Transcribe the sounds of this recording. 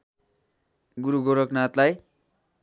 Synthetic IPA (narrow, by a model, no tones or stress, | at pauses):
ɡuɾuɡoɾʌknat̪laj